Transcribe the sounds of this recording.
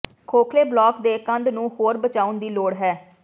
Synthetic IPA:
kʰoːkʰleːblɔːkd̪eːkə̃nd̪nũːhoːɾbət͡ʃaːʊnd̪iːloːɽɦɛː

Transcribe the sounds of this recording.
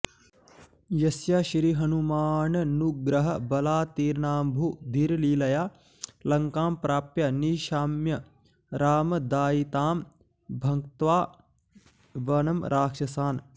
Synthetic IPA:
jɐsjaːʃɾiɦɐnumaːnɐnuɡɾɐɦɐbɐlaːt̪iːɾnaːmbʱud̪ʱiɾliːlɐjaː | lɐŋkaːmpɾaːpjɐniːʃaːmjɐ | ɾaːmɐd̪aːjit̪aːm | bʱɐŋt̪ʋaː | ʋɐnɐmɾʔaːkʃɐsaːn

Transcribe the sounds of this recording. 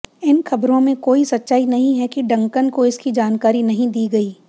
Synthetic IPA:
ɪnxɐbɾõmẽkoːisɐtːʃaːinɐɦĩɦɛkiɖɐ̃ŋkənkoɪskid͡ʒaːnkaːɾinɐɦĩd̪iːɡɐiː

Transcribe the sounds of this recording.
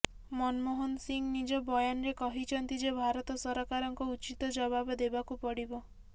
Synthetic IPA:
mɔnmoɦonsiŋnid͡ʒɔbɔjanɔɾekɔɦit͡ʃʰɔnt̪id͡ʒebʱaɾɔt̪ɔsɔɾɔkaɾɔŋkɔut͡ʃit̪ɔd͡ʒɔbabɔd̪ebakupɔɽibɔ

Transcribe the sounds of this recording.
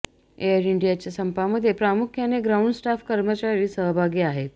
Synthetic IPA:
ejəɾiɳɖijat͡ɕasəmpaməd̪ʱːjepɾamukʰjaneɡɾawɳɖsʈafkəɾmət͡ɕaɾiːsəɦbʱaɡiːaɦet̪

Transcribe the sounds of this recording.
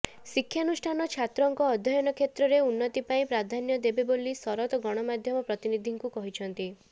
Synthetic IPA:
sikʰːjanusʈʰanɔt͡ʃʰat̪ɾɔŋkɔːd̪ʱjɔjɔnɔkʰet̪ɾɔɾeunːɔt̪ipaĩpɾad̪ʱanjɔd̪ebebolisɔɾɔt̪ɔɡɔɽ̃ɔmad̪ʱjɔmɔpɾɔt̪inid̪ʱiŋkukɔɦit͡ʃʰɔnt̪i

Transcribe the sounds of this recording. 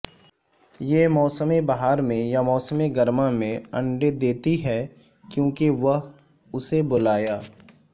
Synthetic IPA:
jeːmɔːsəmebɐɦaːɾmẽjamɔːsəmeɡɐɾmamẽɐ̃ɳɖed̪eːt̪iɦɛː | kjõːkiʋɐɦ | ʊsebʊlaːjaː

